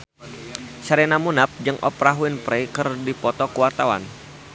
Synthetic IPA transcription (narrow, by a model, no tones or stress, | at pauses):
saɾɛnamunap̚d͡ʒɨŋʔɔ̰pɾaɦuɪnpɾɛjkɨrdipɔt̪ɔkuwart̪awa̰n